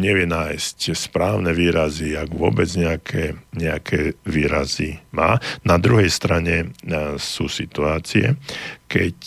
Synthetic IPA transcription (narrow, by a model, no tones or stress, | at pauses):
ɲɛʋɪɛnaːjscspɾaːʊnɛʋiːɾaziaɡʋʊɔ̰bɛd͡zɲɛakʰɛɲɛakʰɛʋiːɾazimaːnad̪ɾuɦɛjst̪ɾaɲɛsuːsit̪uaːt͡siɛ̰kɛc